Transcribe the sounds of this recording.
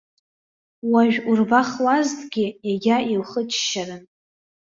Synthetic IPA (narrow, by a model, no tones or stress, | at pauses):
waʒᶣurbaχlaztɡʲɪjaɡʲailχət͡ʃʰʃaɾɨn